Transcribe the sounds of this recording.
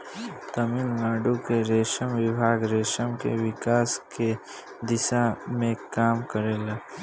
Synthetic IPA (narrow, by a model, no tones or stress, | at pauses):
t̪ɐmɪlnaːɖukeɾeːʃəmʋɪbʱaːɡɾeːʃəmkḛʋɪkaːske | d̪ɪʃamẽkaːmkəɾeːla